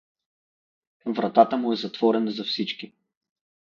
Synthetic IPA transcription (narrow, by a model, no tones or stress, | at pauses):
vɾɐt̪at̪əmuɛzɐt̪v̥ɔɾɛnəzɐfsit͡ʃki